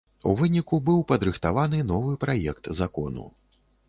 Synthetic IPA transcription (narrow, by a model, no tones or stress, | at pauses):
uvɨnʲikubɨwpɐd̪ɾɨxt̪avanɨnɔvɨpɾajɛkt̪zakɔ̰nṵ